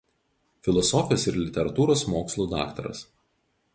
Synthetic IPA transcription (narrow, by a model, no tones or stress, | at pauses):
fʲɪlˠɔsɔfʲɪjoːsɪɾlʲɪt̪ʲɛɾɐt̪uːɾoːsmoːkslˠuːd̪ɑ̰ːkt̪ɐɾɐ̰s